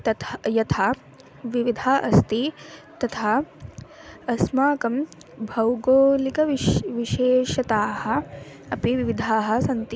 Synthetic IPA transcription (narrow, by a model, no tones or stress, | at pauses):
t̪ɐt̪jɐt̪ʰaː | ʋiʋid̪ʱaːʔɐst̪it̪ɐt̪ʰaː | ɐsmaːkɐm | bʱɐwɡoːlikɐʋʋiʃeːʃɐt̪aːhɐ̆ɐpiʋiʋid̪ʱaːɦɐ̆sɐnt̪i